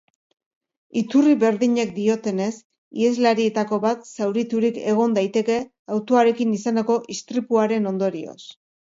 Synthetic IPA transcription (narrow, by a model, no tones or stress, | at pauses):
it̪uriβe̞ɾðiɲe̞k̚d̪io̞t̪e̞ne̞s | ie̞zlaɾie̞t̪ako̞βat̪sawɾit̪uɾike̞ɣ̞o̞nd̪ajt̪e̞ke̞ | awt̪oaɾe̞kinisaneko̞ʔist̪ɾipuaɾe̞no̞nd̪o̞ɾio̞̰s